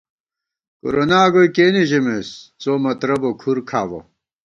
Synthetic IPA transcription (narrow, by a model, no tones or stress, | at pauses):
kṵɾonaːɡoikeːniʑemest͡soːmɐt̪ɾɐbokʰuɾkʰaːʋo̰